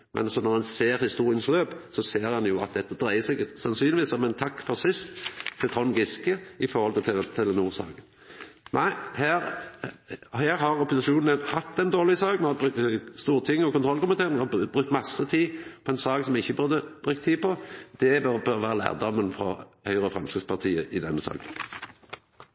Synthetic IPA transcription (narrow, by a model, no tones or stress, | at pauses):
mʔɛ̰nɑsɔnɔʁɑnseːɾhɪst̪uːʁɪjənsløːpsɔseːɾhɑnjʊɑ̰t̪̚d̪ɛt̪ːəd̪ʁæɪəsɛɡsɑnsyːnlɪʋiːsɔmɛnt̪ʰɑkːfɔʁsɪst̪t̪ʰːɪlt̪ʰɔmɡɪskəɪfɔʁhɔlt̪ʰət̪ʰɪt̪ʰɪlnuːʁsɑ̰ːɡən | nʔæɪhæːʁ | hæːɾhɑʁɔpʊsɪʃuːn̩ənhɑt̪ːɛnd̪oːʁlɪsɑːɡnɛhɑbʉk̪st̪uːʁət̪ʰɪŋːəɔkʊnt̪ʁɔlkʊmɪt̪ʰeːʁɪnhɑbʁʉk̚t̪mɑsːət̪ʰiːpʰɔɛnsɑːɡsɔmjɛɪçːəbʉʁd̪əb̥ʁʉk̚t̪ʰːiːpʰɔd̪̥ɛbɑʁbøʁʋæːʁəlæ̰ːʁd̪ɔmːənfɾɔhœʏʁəfʁɑnskəspʰɑʁt̪ʰiːəʔɪd̪ɛ̰nːəsɑ̰ːɡən